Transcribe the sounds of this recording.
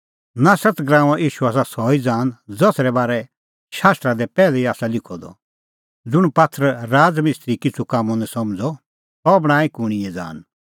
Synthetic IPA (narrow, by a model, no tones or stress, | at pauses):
nasɐt͡sɡɾãːaʔiːʃuaːsasɔːid͡zãːnd͡zɔsɾɛbaːɾɛ | ʃaːst̪ɾad̪ɛpɛːlɛiaːsalɪkʰɔd̪ɔ̰ | d͡zʊɽ̃pat̪ʰɾəɾaːd͡zmɪst̪ɾikɪt͡sʰukamːɔ̃nɛ̃sɐmd͡zɔ | t̪ɔbɽ̃aːĩkʊɽ̃iɛd͡za̰ːn